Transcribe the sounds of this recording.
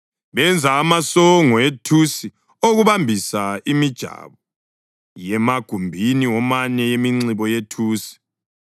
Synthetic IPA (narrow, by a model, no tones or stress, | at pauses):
βɛnd͡zʱaːmasɔŋɔetʰusi | oɣuβambʱisaimid̥ʒ̥ʱa̰βɔ | jɛmaɡ̥ʱumbʱiniwɔmaɲɛjemiŋ͡ǀiβɔjetʰuːsi̥